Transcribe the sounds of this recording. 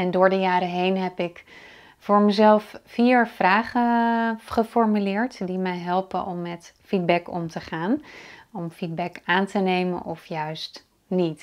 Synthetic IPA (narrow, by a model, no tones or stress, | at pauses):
ɛndʊːɹdəjaːɾəɦejnɦɛpɪk | vʊːɹməzɛlˠffiːɹfraːχəχəfɔɹmylɪːɹtdimɛjɦɛlˠpə̰ʔɔmːɛtfid̚bɛkɔ̰mtəχaːnɔmfid̚bɛkaːntənejmə̰nʔɔfjœɥst | nit